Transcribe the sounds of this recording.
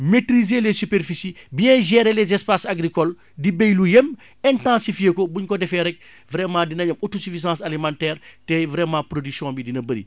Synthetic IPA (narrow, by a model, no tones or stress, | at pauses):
metɾizelɛsypeɾfisibijɛ̃ʒɛɾelɛzɛspasaɡɾikɔl | dibejlujem | ɛ̃ntãːsifijekɔbuɲkɔdɛfɛɾɛk̚ | vɾɛmːãːdinɐɲɐmotosifizãːsalimãːntɛːrtɛvɾɛmãpɾodyksijɔ̃ːbidinɐbɐɾḭ